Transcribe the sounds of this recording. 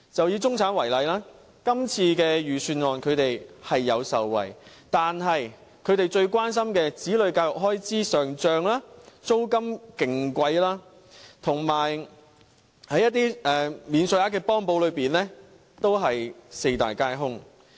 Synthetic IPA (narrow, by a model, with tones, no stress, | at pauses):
t͡sɐ˨wji˨˧t͡sʊ˥ŋt͡sʰaː˨˥nwɐ˨˩jlɐ˨˧jlaː˥ | kɐ˥mt͡sʰiː˧kɛː˧jyː˨syː˧nŋɔː˨˩nkʰɵ˨˧t̪e˨jhɐ˨jːɐ˨˧wsɐ˨wːɐ̰˨˩jt̪aː˨nɦɐ˨j | kʰɵ˨˧ɥt̪e˨jt͡ʃɵ˧ɥkʷaː˥ns̬ɐ˥mkɛː˧t͡siː˨˥lɵ˨˧ɥkaː˧jʊ˨k̚ɦɔː˥jt͡siː˥sœː˨ŋt͡ʃœː˨ŋlaː˥t͡so˥wkɐ˥mkɪ˨˩ŋkʷɐ˧jlaː˥ | t̪ʰʊ˨˩ŋmaː˨˩j | hɐ˨˥jɐ˥t̪̬ːiː˥ɛː˨miː˨˧nsɵ˨˧jaː˨˥kɛː˧pɔː˥ŋpo˧wlɵ˨˧ɥpiː˨nlɛː˥ | t̪o˥wɦɐ˨jse˧jt̪a̰ː˨jkaː˥jɦʊ˥ŋ